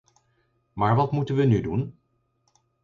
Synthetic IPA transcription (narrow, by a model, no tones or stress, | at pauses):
maːɹʋɑtmutənʋənydun